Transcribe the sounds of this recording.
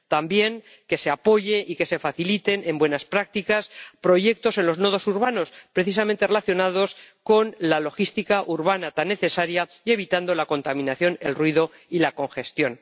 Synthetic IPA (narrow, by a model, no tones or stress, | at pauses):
t̪ambje̞ŋ | ke̞se̞apo̞ʝe̞ʔike̞se̞faθilit̪e̞ne̞mbwe̞naspɾak̚t̪ikaspɾo̞ʝe̞k̚t̪o̞se̞nlo̞zno̞ð̞o̞suɾβano̞spɾeθisament̪erelaθjo̞naðo̞sko̞nlalo̞xist̪ikaʔuɾβ̞anat̪anːe̞θe̞saɾja | ie̞β̞it̪and̪o̞lako̞nt̪amĩnaθjo̞ne̞lrwiðo̞ | ilako̞ŋxe̞st̪jo̞n